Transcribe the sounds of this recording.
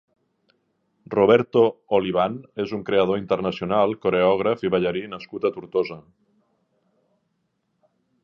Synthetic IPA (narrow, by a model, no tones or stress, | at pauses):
roβ̞ɛɾt̪ooliβ̞anezuŋkɾeaðoint̪əɾnasiunalˠkoɾeɔɣ̞ɾafiβaʎaɾinaskut̪at̪uɾt̪oza